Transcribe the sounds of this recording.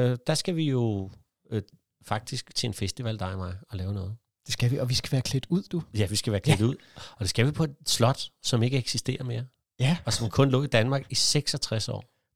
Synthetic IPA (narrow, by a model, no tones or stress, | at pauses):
d̥ɑ̈sɡ̥æʋijo̝ | fɑ̈ɡ̥̚d̥isɡ̥t͡sʰe̝enfesd̥iʋæl̰d̥ɑ̈ɪmɑ̈ɪɒ̽lɛːʊnɔ̽ːð̩ˠ | d̥e̝sɡ̥æʋiɒʋisɡ̥æʋæːɐkʰled̥uð̞̰ˠd̥ujæʋisɡ̥æʋæːɐkʰlʰed̥uð̞̰ˠɒ̽d̥e̝sɡ̥æʋipʰɒ̽e̝d̥slɒ̽d̥sɒ̽me̝ɡ̥əeɡ̥sisd̥e̝̰ːɐme̝ːɐ | ɒ̽sɒ̽mkʰɔ̽nlɔ̰̽ːid̥ænmɑ̈ːɡ̥iseɡ̥sɒ̽t͡sʰʁasɒ̰ː